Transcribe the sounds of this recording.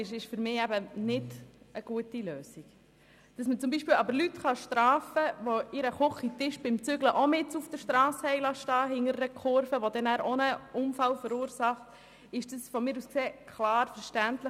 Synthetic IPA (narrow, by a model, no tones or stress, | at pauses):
ɪʃɪʃfʏɾmɪːæbənɪdəɡ̥uətiløːsik | d̥ɑsmət͡sʊmbiːʃpiːlɑbəɾlytχɑʃtrɑːfəʋɔɪɾəχʊχitɪʃb̥ɪmt͡sʏɡləʔɔmɪtufd̥əʃtɾɑːshɛɪlɑʃtɑːɦɪŋəɾːəkʰʊɾfəʋɔd̪ɛnæːɾonəʊmfɑlfəɾuːɾsɑχt̪ | ɪʃd̥əsfɔmɪːɾuskseːkʰlɑːɾfəɾʃtæntlə